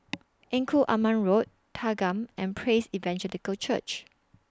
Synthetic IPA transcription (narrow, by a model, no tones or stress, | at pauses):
ʔɛ̃ŋkʰuʔamãnɹot̚ | tʰaɡãmɛ̃npʰɹesivɛ̃nd͡ʒɛlikəlt͡ʃə̰t͡ʃ